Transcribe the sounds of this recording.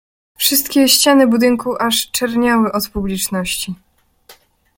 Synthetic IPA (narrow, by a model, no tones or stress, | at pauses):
fʂɘst̪kʲɛɕt͡ɕanɘbud̪ɘŋkuʔaʂt͡ʂɛɾɲawɘʔɔt̪publʲit͡ʂnɔɕt͡ɕi